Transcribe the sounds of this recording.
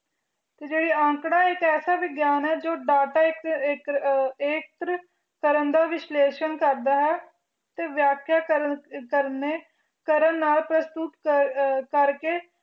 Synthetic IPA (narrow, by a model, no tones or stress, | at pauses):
t̪eːd͡ʒeːɽiːãːŋkɽaːɪkɛːsaːʋɪɡjaːnɛːd͡ʒoːɖaːʈaːɪkːkeːk̚t̪ɾə | kəɾənd̪aːʋɪʃleːʃənkəɾd̪aːɦɛː | t̪eːʋjaːkʰːjaːəkəɾneː | kəɾənːaːlpɾəst̪ʊt̪ | kəɾkeː